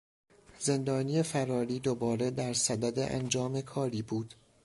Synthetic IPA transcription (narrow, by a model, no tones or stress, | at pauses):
ze̞nd̪ɒːniːjefæɾɒːɾiːd̪obɒːɾe̞d̪æɾsæd̪æd̪ḛʔæ̰nd͡ʒɒːme̞kʰɒːɾiːbuːd̪̥